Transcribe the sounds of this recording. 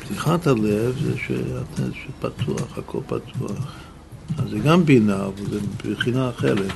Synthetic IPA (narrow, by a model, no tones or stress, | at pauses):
pt̪iχat̪halevzɛ̰ʃɛ̰atʰeʃepat̪ʰuaχakʰolpa̰t̪ʰuaχ | azɛɡambinaːvalzɛbeχinaːχelet